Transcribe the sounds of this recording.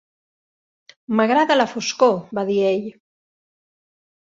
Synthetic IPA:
məɣɾaðələfuskobaðieʎ

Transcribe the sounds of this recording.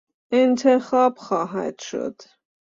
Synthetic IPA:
ɛnt̪ʰɛχɑpχɑɦɑ̰t̪ʃə̰t̪

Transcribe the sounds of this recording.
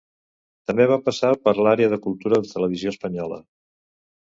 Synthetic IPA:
t̪əmbeβ̞apəsapəɾlaɾeəðəkulˠt̪uɾəðət̪ələβizioəspəɲɔlə̰

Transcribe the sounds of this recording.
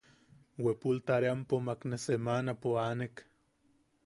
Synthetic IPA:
wepult̪aɾeampomaknesemanapoanek

